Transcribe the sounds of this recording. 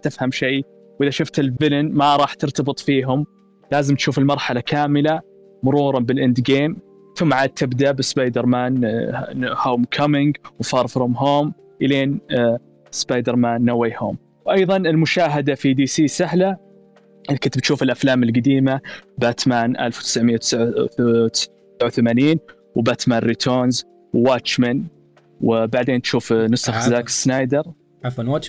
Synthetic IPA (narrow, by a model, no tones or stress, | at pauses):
t̪ɪfhamʃej | wʔɪðaʃʊft̪ɪlvɪlɪnmaɾˤɑːħt̪ɪɾt̪ɑbɨt̪ˤfiːɦʊm | laːzɪmt̪ʃuːfɪlmɑɾˤħalakaːmɪla | mʊɾˤuːɾˤɑbɪlʔɪnd̪ɡeːm | θʊmːʕaːd̪̚t̪ʰːɪbd̪aʔbɪsbɑjd̪ɪɾˤmaːn | hoːmkʰamɪŋɡwfɑːɾˤfɾʊmɦoːm | ʔɪleːn | sbɑjd̪ɨɾmaːnːaweho̰ːm | wʔɑjðˤɑnɪlmʊʃaːɦad̪afid̪iːsiːsaɦla | kʊt̪bt̪ʃuːfɪlʔaflaːmɪlɡad̪iːmabaːt̪maːnʔa̰lfwt̪ɪ̥sʕmɪjawt̪ʕ | sʕawθamaːniːn | wbat̪maːnɾit̪ʰoːnz | wwaːt͡ʃman | wbaʕd̪eːnt̪ʃuːfnʊsˤaxzaːkɪ̥snajd̪ɑɾˤ | afanwat͡ʃ